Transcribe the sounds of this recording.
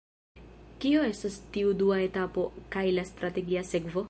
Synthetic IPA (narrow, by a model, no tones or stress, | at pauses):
kio̞e̞stastiuduae̞tapo̞kajlast̪ɾate̞ɡiase̞kvo̞